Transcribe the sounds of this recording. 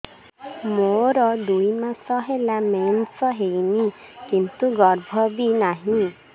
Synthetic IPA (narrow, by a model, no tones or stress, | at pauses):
moɾɔd̪ujmasɔɦelamensɔɦejnikint̪uɡɔɾbʱɔbinaɦĩ